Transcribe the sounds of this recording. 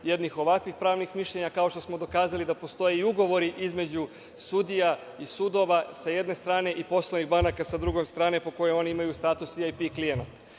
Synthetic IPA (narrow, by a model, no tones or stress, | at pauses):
jed̪nixo̞ʋakʋixpɾaːʋnixmiʃʎe̞ɲakao̞ʃt̪o̞smo̞d̪o̞kaːzalid̪apo̞st̪o̞jeiuɡo̞ʋo̞ɾiʔizme̞d͡ʑu | sud̪ija | isud̪o̞ʋasaje̞d̪ne̞st̪ɾaːne̞ʔipo̞sloniɣbanakasad̪ɾuɡomst̪ɾaːne̞po̞ko̞jeo̞niimajust̪aːt̪usʋiajpiklijenat̪